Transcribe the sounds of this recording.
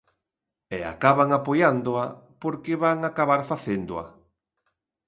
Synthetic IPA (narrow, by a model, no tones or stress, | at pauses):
ɛa̰kaβaŋapojand̪ʊapoɾkeβaŋakaβaɾfaθend̪ʊa̰